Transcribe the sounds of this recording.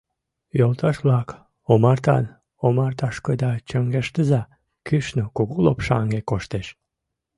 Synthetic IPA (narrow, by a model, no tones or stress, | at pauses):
jolt̪ʰɑʃβlɑk | omɑrt̪ɑ̰n | omɑrt̪ɑʃkojd̪ɑt͡ɕəŋɡeʃt̪əzɑ | kyʃnokuɣulo̰pʃɑŋɡekoʃt̪eʃ